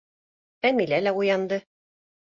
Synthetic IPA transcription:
æmilælæujɑnd̪ɤ

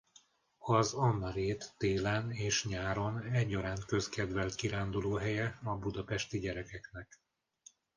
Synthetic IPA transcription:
ɒzɒnːɒɾeːt̪ːeːlɛneːʃɲaːɾo̞nɛɟːɒɾaːnt̪kø̞skɛd̪vɛlt̪kiɾaːnd̪uloːɦɛjɛɒbud̪ɒpɛʃt̪iɟɛɾɛkɛknɛk

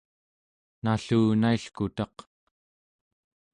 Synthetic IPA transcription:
naɬuːnaiɬkut̪ɑq

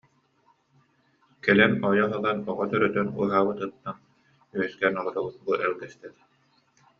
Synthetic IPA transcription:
kɛlɛnɔjɔɦɯlˠanɔʁɔt̪œɾœt̪œnṵːɦaːβɯt̪ɯt̪ːan | yɛskɛnɔlˠɔɾɔbut̪̚buʔɛlɡɛst̪ɛɾ

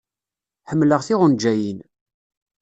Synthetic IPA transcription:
ħəmːləʁθɪʁʊnd͡ʒæjin

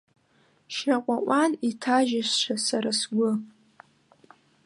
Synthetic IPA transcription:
ʃaqʷʼaʔʷʼanitʰaʒaʃʷʃʷʰasaɾasɡʷʊ

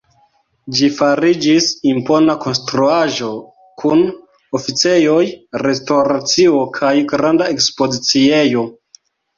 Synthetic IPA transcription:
d͡ʒifaɾid͡ʒisimpo̞nako̞nstɾuaʒo̞ | kʰun | ofit͡se̞jo̞jɾe̞stoɾat͡sio̞kʰajɡɾandae̞kspo̞zit͡sie̞jo̞

